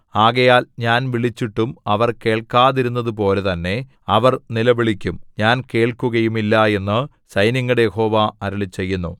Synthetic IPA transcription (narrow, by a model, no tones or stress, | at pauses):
aːɣɐjaːlɲaːnʋiɭit͡ɕːiʈːumɐʋɐrke̞ːɭkaːðiɾunːɐðup̬o̞ːle̞t̪ɐnːe̞ | ɐʋɐrnilɐʋiɭikʲːumɲaːnke̞ːɭkuɣɐjumilːɐe̞nːɨ | sɐjnɐŋːɐɽejeho̞ːʋaɐɾɐɭit͡ɕːe̞jːunːṵ